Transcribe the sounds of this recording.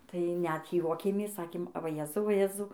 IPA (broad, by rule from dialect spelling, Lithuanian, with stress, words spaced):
tɐɪ nʲɛt ˈjuɔkʲeːmʲeːs ˈsɑːkʲeːm ʋɐ ˈjeːzɐʊ ʋɐ ˈjeːzɐʊ